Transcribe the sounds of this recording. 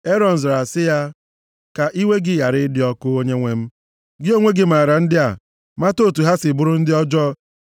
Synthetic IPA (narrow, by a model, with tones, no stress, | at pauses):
e˦ɾɔ˨n̩˨zɾa˨sɪ˦ja˦ | ka˨ʔi˦we˦ɡɪ˦ja˨ɾɪ˦dɪ˦ɔ˦kʊ˦o˦ɲe˦ŋʷe˦m̩˦ | ɡɪ˦o˦ŋʷe˦ɡɪ˨m̩˨a˨ɾa˨n̩˦dɪ˦a˨ | ma˦to˦˨tu˨ɦa˦sɪ˨bʊ˦ɾʊ˦n̩˦dɪ˦ɔ˦d͡ʒɔ˦